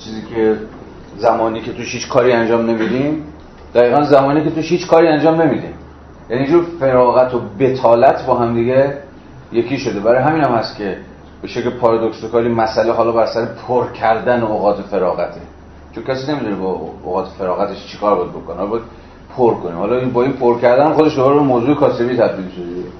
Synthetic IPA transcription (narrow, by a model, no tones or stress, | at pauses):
t͡ʃʰiːziːkʰe | zæmɒːniːcʰet̪ʰuʃhiːt͡ʃkʰɒːɾiːænd͡ʒɒːmne̞miːd̪im | d̪̥æɣiːɣænzæmɒːniːke̞t̪uʃhiːt͡ʃkʰɒːɾiːænd͡ʒɒːmne̞miːd̪ḭm | jæniːd͡ʒuɾfe̞ɾɒːɣæt̪ʰobe̞t̪ʰɒːlæt̪ʰbɒːɦæmd̪iɡe | je̞kʰiːʃod̪e̞bæɾɒːjɦæmiːnæmhæst̪kʲʰe̞ | b̥eʃeklepʰɒːɾɒd̪oksokʰɒːɾiːmæsæleɦɒːlɒːbæɾsæɾepʰoɾkʰæɾd̪ænooɣɒːt̪ʰefe̞ɾɒːɣæt̪ʰḛ | t͡ʃʰoncʰʲæsiːne̞mit̪ʰunebɒo̰ɣɒːt̪ʰefe̞ɾɒːɣæt̪ʰeʃt͡ʃʰe̥kɒːɾbɒjd̪̚bo̞konehːlɒbɒjæd̪ | pʰoɾkonḭːmhɒːlɒinbɒːiːnpʰoɾcæɾd̪ænæmxod̪e̞ʃd̪obɾebemoːzuːekʰɒːse̞biːt̪ʰæb̚d̪iːlʃod̪e